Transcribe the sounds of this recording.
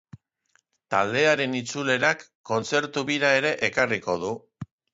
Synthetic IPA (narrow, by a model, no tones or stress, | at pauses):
t̪ald̪e̞aɾe̞nit͡sule̞ɾakːo̞nt͡se̞ɾt̪uβiɾae̞ɾe̞ʔekariko̞ð̞u